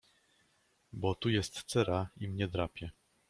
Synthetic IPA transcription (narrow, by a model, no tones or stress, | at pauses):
bɔt̪ujɛst̪sɛɾaimɲɛd̪ɾapʲjɛ